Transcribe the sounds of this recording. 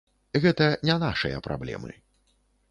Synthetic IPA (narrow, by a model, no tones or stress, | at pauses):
ɣɛt̪ɐnʲɛnaʂɨjɐ̰pɾa̰blʲɛ̰mɨ̰